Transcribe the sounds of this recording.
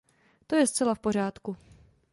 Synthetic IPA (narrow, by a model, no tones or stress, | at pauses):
t̪o̞jɛst͡sɛlafpo̞r̝aːt̪ku